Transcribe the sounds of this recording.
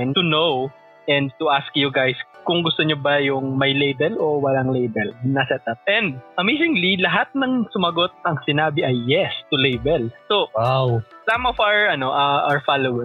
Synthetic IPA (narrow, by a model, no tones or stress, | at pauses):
nt̪ʊnow | ʔɛ̃nd̪̚t̪ʊʔaskjʊɡajskʊŋɡʊst̪oɲobɐjʊŋmɐjlejbɛlʔo̞wɐlaŋlejbɛlnɐsɛt̪̚ɐp̚ʔɛ̃nd̪̚ʔɐmezɪ̃ŋlilɐɦat̪̚nɐŋsʊmɐɡot̪̚ɐŋsɪnaːbɪʔɐjːɛst̪ʊlejbɛlsoawsamɔfaɹʔɐnoʔɐʔaɹfalowɛ